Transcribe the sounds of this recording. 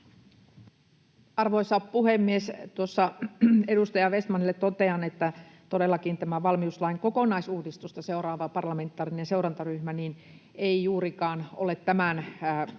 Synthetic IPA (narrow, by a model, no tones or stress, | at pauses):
ɑrʋoisɑppuhemːiest̪uosːɑedust̪ɑjɑʋest̪mɑnilːet̪t̪ot̪eɑnet̪ːæt̪odelːɑkint̪æmæʋɑlmiuslɑiŋkokonɑisuːdist̪ust̪ɑseurɑːʋɑpɑrlɑment̪ːˑɑːrinenseuɾɑnt̪ɑryhmænin | eijuːrikɑːno̰let̪tæmænː